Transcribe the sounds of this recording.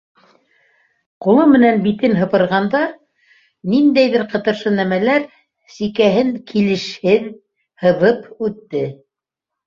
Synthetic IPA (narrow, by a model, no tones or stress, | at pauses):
qulˠɤmɘ̆nænbit̪ɘnɦɤ̆pɤ̆ɾʁɑnd̪ɑ | nind̪æjðɘɾqɤ̆t̪ɤ̆ɾʃɤnæmælæɾ | sikæɦɘŋkʰilɘ̆ʃhɘð | hɤ̆ðɤpʉt̪ːɘ